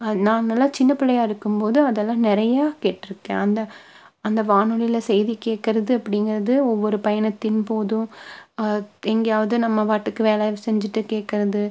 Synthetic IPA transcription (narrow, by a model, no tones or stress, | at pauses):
ɐnaːnɐlːãːt͡ʃɪnːɐpɪɭːɐjaːɪɾɯkːɯmpoːðɯɐðɛlːãːnɛɾɐjaːkeːʈːɪɾɯkːḛ̃ːɐnd̪ɐ | ɐnd̪ɐʋaːɳɯɭɪlɐsɛjðikːeːʈkɪɾɐðɯɐpːɐɽɪŋɡɪɾɐðɯɔʋːɔɾɯpɐjɐɳɐt̪ːɪnpoːðʊ̃ | ɛŋɡɐjaːʋɐðɯnɐmːɐʋaːʈːɯkːɯʋeːlaːʋsɛɲd͡ʒɪʈːɯkeːʈ̚kɪɾɐðɯ